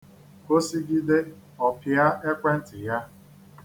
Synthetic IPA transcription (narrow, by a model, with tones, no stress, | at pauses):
o˦si˦ɡi˦de˦ | ɔ˨pja˦e˦kʷe˦n̩˦tɪ˨ja˦